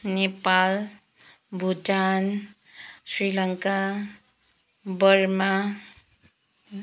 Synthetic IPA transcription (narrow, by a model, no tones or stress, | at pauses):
nepal | bʱutan | sɾilʌŋka | bʌɾma